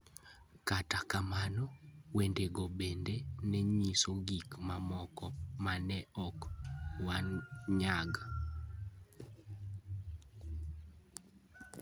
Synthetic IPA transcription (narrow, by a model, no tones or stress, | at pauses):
katakamanɔwendeɡɔbendenɛɲisoɡikmamɔkɔmanɛʔɔkwanɲaɡa